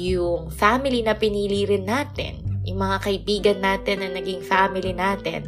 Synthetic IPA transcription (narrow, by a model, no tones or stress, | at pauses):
jʊŋfaːmɪlinɐpɪniːliɾɪnːaːt̪ɛ̰njʊ̰ŋmɐŋakɐʔɪbiːɡɐnːaːt̪ɛnːɐnɐɡiŋfaːmɪlinaːt̪ɛ̰n